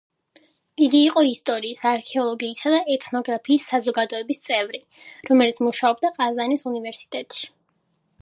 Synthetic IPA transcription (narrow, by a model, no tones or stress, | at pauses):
iɡiːqʼɔist̪ʼɔɾiːsaɾkʰɛɔlˠɔɡiːsad̪aʔɛt̪ʰnɔɡɾapʰiːsːazɔɡad̪ɔɛbist̪sʼɛvɾiɾɔmɛlit̪sʰmuʃaɔb̚d̪aqʼazanisunivɛɾsi̥t̪ʼɛt̪ʼʃi̥